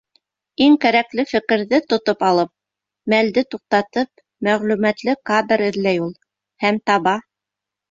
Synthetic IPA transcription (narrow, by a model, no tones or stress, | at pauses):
iŋkæɾæklɘfɘ̆kɘ̆ɾðɘt̪ŏt̪opɑlˠɤp̚ | mæld̪ɘt̪uq̚t̪ɑt̪ɤp̚ | mæʁlʉmæt̪lɘkad̪ɾɘ̆ðlæjulˠ | hæmt̪ɑβɑ